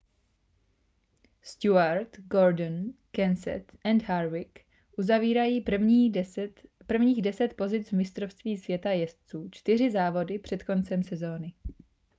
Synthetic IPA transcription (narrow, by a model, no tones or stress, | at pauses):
st̪uaɾt̪ɡoɾdnkɛnsɛ̰t̪ʔɛnd̪ɦaɾvɪk | ʔuzaviːɾajiːvi | pr̩vɲiːɣdɛsɛt̪po̞zɪt͡svmɪst̪ɾofst̪viːsvjɛt̪ajɛst̪t͡suːt͡ʃt̪ɪr̝ɪzaːvo̞dɪpr̥ɛt̪ko̞nt͡sɛmsɛzo̞ːnɪ